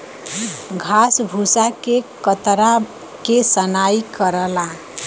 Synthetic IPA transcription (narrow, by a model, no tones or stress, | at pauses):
ɡʱasbʱusakekət̪ɾa | kesənaikəɾəla